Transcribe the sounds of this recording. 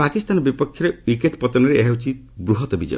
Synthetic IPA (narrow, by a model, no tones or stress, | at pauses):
pakist̪anɔbipɔkʰːjɔɾewikeʈpɔt̪ɔnɔɾeeɦewt͡ʃʰi | bɾuɦɔt̪ɔbid͡ʒɔ̰j